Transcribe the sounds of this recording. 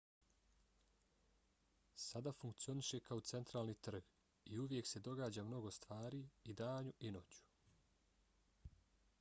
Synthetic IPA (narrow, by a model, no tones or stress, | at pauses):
sad̪afuŋkt̪sio̞niʃe̞kaot̪se̞nt̪ɾaːlˠnit̪r̩ɡ | iuʋje̞kse̞d̪o̞ɡaːd͡ʑaːmno̞ɡo̞st̪ʋaːɾiid̪aːɲuʔinoːt͡ɕu̥